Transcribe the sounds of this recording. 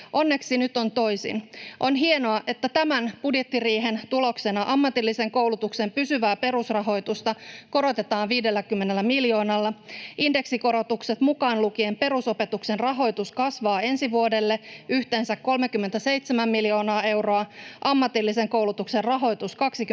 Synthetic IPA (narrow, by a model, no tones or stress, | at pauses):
ʔo̞nːe̞ksinyt̪o̞nt̪o̞jsḭnʔo̞nɦie̞no̞ɑʔe̞t̪ːæt̪æmænb̥udje̞t̪ːiriːɦe̞nt̪ulo̞kse̞nɑʔɑmːɑt̪ilːise̞ŋko̞wlut̪ukse̞mpysyʋæːpe̞ɾusrɑɦo̞jt̪ust̪ɑko̞ɾo̞t̪e̞t̪ɑːnʋiːdelːækymːe̞nelːæmiljo̞ːnɑlːɑʔinde̞ksiko̞ɾo̞t̪ukse̞t̪mukɑːnluk̟ie̞mpe̞ɾuso̞pe̞t̪ukse̞nrɑɦo̞jt̪uskɑsʋɑːe̞nsiʋuo̞de̞lːe̞yçt̪e̞ːnsækkːo̞lmekymːet̪æsejt̪semæmːiljo̞ːnɑːe̞wro̞ɑʔɑmːɑt̪ilːise̞ŋko̞wlut̪ukse̞rrɑɦo̞jt̪uskɑksik